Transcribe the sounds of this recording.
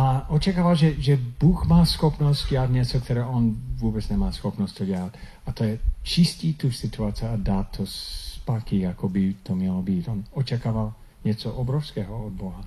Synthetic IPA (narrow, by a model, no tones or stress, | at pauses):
aʔɔt͡ʃakaːʋalʒɛʒɛbɔxmaːsxɔpnɔsɪadɲɛt͡sɔkt̪ɛɾɛːʔɔnvʊɔbɛd͡zɲɛmaːsxɔpnɔscʲt̪ɔɟɪaɦat | at̪ɔjɛt͡ʃiscit̪uxsit̪uaːt͡siaad̪aːt̪ʰːɔspakiakɔbit̪ɔmɪɛlɔbicɔnɔt͡ʃakaːʋal | ɲɪɛt͡sɔʔɔbɾɔʊskɛːɦɔɔd̪̚bɔɦa